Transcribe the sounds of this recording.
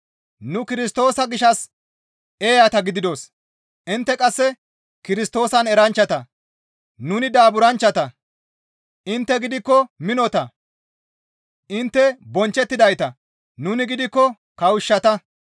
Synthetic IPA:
nʊkɪɾɪs̬t̪o̞ːsɐɡɪʃɐs | eːjɐt̪ɐɡɪd̪ɪd̪o̞s | ʔɪnt̪ːɛkʼɐsːɛ | kɪɾɪst̪o̞ːsɐnɛɾɐnt͡ʃːɐt̪ɐ | nʊnɪd̪aːbʊɾɐnt͡ʃːɐt̪ɐ | ʔɪnt̪ːɛɡɪd̪ɪkːɔmɪnɔt̪ɐ | ʔɪnt̪ːɛbɔnt͡ʃːɛt̪ːɪd̪ɐjt̪ɐ | nʊnɪɡɪd̪ɪkːɔ | kɐwɪʃːɐt̪ɐ

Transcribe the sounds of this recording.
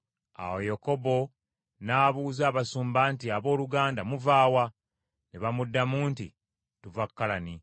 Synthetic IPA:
a̰wojeko̞bo̞ | naːβuːzaːβasuːmbaːntiaβo̞ːluɡaːndamuvaːwa | neβamudːamuːntḭ | tuvakːalani

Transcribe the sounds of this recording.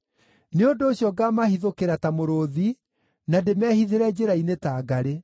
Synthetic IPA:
neondoːɕjɔɡamahiðokeɾatamoɾoði | nademɛhiðeɾɛd͡ʑeɾainetaːɡaɾe

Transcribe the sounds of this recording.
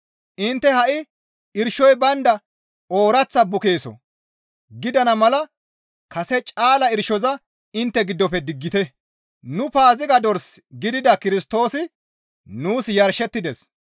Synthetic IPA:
ʔɪnt̪ːɛhɐʔɪ | ɪɾʃɔjbɐnd̪ɐ | o̞ːɾɐt͡sːɐbʊke̞ːsɔ̰ | ɡɪd̪ɐnɐmɐlɐ | kɐsɛt͡ʃʼaːlɐɪɾʃɔzɐ | ɪnt̪ːɛɡɪd̪ːɔpɛd̪ɪɡːɪt̪ɛ | nʊpaːzɪɡɐd̪ɔɾsɡɪd̪ɪd̪ɐkɪɾɪst̪o̞ːsɪ | nuːsjɐɾʃɛt̪ːɪd̪ɛs

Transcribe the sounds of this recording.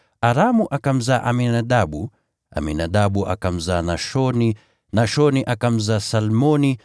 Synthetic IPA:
aɾamuʔakam̩zaːʔaminaɗaɓu | a̰mḭnaɗaɓuʔa̰kam̩zaːnaʃɔni | naʃɔniʔakam̩zaːsalmɔni

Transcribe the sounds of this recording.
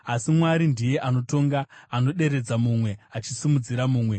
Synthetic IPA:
asimwaɾindije̞ʔano̞to̞ŋɡaːno̞ɗe̞ɾe̞d͡zamumwe̞at͡ʃisimud͡ziɾamuːmwe̞

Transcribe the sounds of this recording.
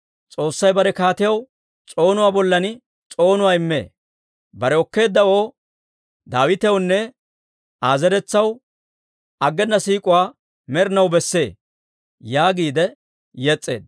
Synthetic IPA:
t͡sʼo̞ːsːɐjbɐɾɛkaːt̪ɪjɐw | t͡sʼo̞ːnʊwaːbɔlːɐn | t͡sʼo̞ːnʊwaːɪmːḛː | bɐɾɛɔkːe̞ːd̪ːɐwo̞ː | d̪aːwɪt̪ɛjwnːɛ | aːzɛɾɛt͡sːɐw | ɐɡːɛnːɐsiːkʼʊwaː | mɛɾnɐwbɛsːe̞ː | jaːɡiːd̪ɛ | jɛt͡sʼːeːd̪̚

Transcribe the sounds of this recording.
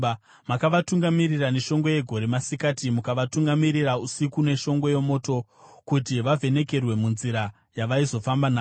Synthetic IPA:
makaʋatuŋɡamiriraneʃo̞ŋɡo̞je̞ɡʱo̞ɾemasikatimukaʋatuŋɡamiɾirausikune̞ʃo̞ŋɡo̞je̞mo̞ːto̞ | kutiʋavʱe̞ne̞ke̞rwe̞munziɾa | jaʋaizo̞fambanaː

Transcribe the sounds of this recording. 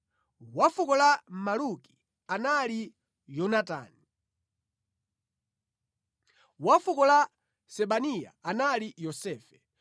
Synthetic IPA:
wafukɔlamaluki̥ | anali | jɔnata̰ːni | wafukɔla | sɛɓanija̰analijɔsɛːfɛ̥

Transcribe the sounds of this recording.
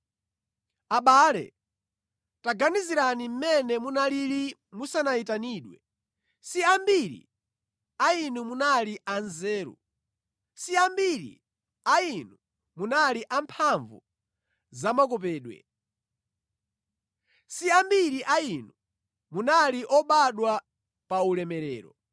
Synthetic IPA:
aɓaːlɛ̰ | taɡaniziɾanim̩mɛnɛmunalilimusanaitaniːɗwɛ | siambiɾḭ | ainumunaliʔanzɛːɾṵ | siambiɾḭ | ainu | munaliʔampʰaɱvṵ | zamakɔp̬ɛːɗwɛ̰ | siambiɾiʔainu | munaliʔɔɓaɗwa | paulɛmɛɾɛ̰ːɾɔ̰

